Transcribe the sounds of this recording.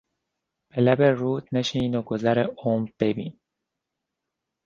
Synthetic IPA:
b̥elæbeɾuːt̪neʃinoɡozæɾeoːmb̥ebiːn

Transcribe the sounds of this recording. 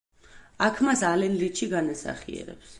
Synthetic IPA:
akʰmasalɛnɾiʃʰiɡanasa̰χiɛ̰ɾɛ̰ps

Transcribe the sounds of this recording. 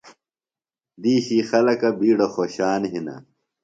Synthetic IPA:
d̪iːɕiːxɐlɐkɐbiːɽɐxoːɕaːnɦinɐ̰

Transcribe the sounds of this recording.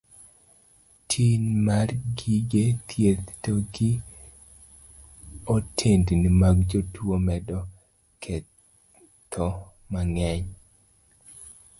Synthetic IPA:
tʰinmarɡiɡet̪ʰjet̪toɡi | otʰendnimaɡd͡ʒotʰwomɛdɔ | kʰɛ | t̪ʰɔ | maŋɛɲ

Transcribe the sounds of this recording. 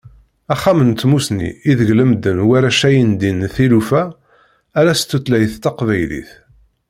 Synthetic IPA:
æχːamənt̪musnḭiðəʝləmd̪ənwæɾæʃæjənd̪inθilufæː | ɾæst̪ːut̪læjəθt̪ːɑqvæjlḭθ

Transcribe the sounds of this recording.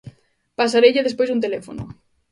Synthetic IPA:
pas̬aɾejʎɪðespojsunt̪elefonʊ̰

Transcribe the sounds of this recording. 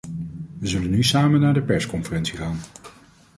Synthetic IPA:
ʋəzɵlənːysaːmənːaːɹdəpɛɹskɔnfərɛnsiχaːn

